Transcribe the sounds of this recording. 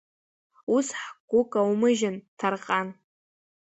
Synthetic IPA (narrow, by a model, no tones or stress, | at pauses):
usħɡ̥ʷʊkʼawmɨʒantʰarqʼan